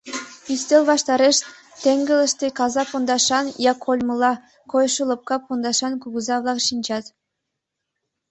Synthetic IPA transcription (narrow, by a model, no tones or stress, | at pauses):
yst̪elʲβɑʃt̪ɑɾeʃ | t̪eŋɡələ̆ʃt̪ekɑzɑpond̪ɑʃɑnjɑkʰolʲmɤlˠɑ | kojʃulˠɤ̆p̚kɑpond̪ɑʃɑnkuɡuzɑβlˠɑkʃinʲd͡ʒɑt̪